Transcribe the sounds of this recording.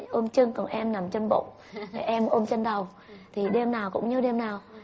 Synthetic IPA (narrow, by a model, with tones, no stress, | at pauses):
ʔo˧mt͡ɕɨ˧ŋkɔ˨˩nʔɛ˧mna˨˩mt͡ɕə˧nɓo̰˧˨ŋ͡m | ʔɛ˧mʔo˧mt͡ɕə˧nɗə˨˩w | t̪ʰi˨˩ɗe˧mnaː˨˩wkʊ̰˧˥ŋ͡mɲɨ˧ɗe˧mnaː˨˩w